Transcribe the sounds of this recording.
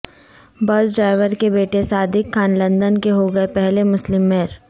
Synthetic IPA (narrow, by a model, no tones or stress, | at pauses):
bɐsɖɾaːɪʋəɾkebeːʈesaːd̪ɪkxaːnlɐ̃nd̪ənkeɦoɡɐepɛɦlemʊslɪmːeːɾ